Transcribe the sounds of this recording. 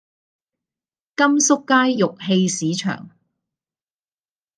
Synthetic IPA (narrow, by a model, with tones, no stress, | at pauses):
kɐ˥msʊ˥kːaː˥jːʊ˨k̚he˧jsiː˨˥t͡ʃʰœ̰ː˨˩ŋ